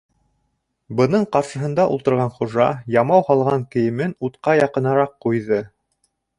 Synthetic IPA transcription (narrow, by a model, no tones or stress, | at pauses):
bɤ̆nɤɴqɑɾʃɤ̆ɦɤ̆nd̪ɑʔṵlˠt̪ɤ̆ɾʁɑnχuʒɑ̰jɑmɑwhɑlˠʁɑŋkɘ̆jɘ̆mɘnut̪qɑjɑqɤ̆nɑɾɑqːujðɤ